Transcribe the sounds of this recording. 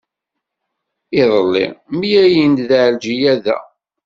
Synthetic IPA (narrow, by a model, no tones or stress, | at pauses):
iðˤəlːḭmijæjind̪ðʕld͡ʒijæðæ̰